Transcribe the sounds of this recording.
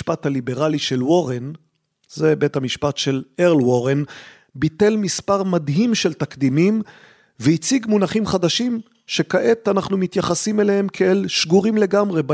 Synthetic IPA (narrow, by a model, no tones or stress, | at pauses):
pat̪halibe̞ʁaliʃe̞lwo̞ʁen | ze̞be̞thamiʃpatʃe̞leʁlwoʁen | bit̪e̞lmispaʁmadɦimʃelt̪akd̪imim | veit͡siɡmunaχimχad̪aʃim | ʃe̞kaʔe̞t̪anaχnumit̪jaχasimelehe̞mkʰeelʃɡuʁimle̞ɡamʁe̞b